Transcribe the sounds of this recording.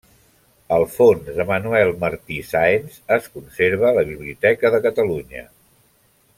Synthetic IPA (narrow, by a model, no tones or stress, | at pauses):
əlˠfonzəmənuɛlˠməɾt̪isaenzəskunseɾβ̞ələβ̞iβliut̪ɛkəðəkət̪əluɲə̰